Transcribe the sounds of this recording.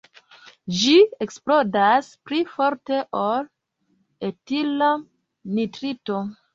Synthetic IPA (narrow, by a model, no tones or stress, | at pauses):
d͡ʒieksplo̞daspɾifo̞ɾte̞ʔol | etila | nitɾito